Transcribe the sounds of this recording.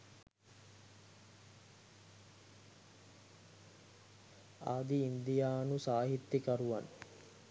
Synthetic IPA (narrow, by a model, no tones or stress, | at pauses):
aːd̪iːnd̪ijaːnusaːɦit̪ːikaɾuʋan